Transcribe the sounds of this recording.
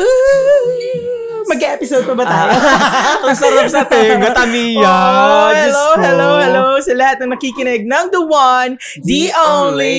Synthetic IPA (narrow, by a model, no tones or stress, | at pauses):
mɐɡɐʔɛːpɪsod̪̚pɐbɐt̪ajpɐŋsɐɾɐp̚sɐt̪ɛŋɡɐt̪ɐmijɐhɛlohɛlowhɛlosɐlɐhat̪̚nɐŋnɐkikɪnɛɡ̚nɐŋd̪ɐwɐn | d̪iʔownli